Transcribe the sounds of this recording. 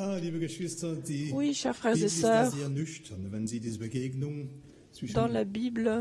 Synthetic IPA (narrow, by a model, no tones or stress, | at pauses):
aːliːbəɡəʃv̥ɪstɐdiːwiʃɛːʁfʁɛːʁzesœːʁiɛɐnʏçtʰɐnvɛnziːdiːzəbəɡeːɡnʊŋ | t͡sɪʃd̪ɑ̃labiːblə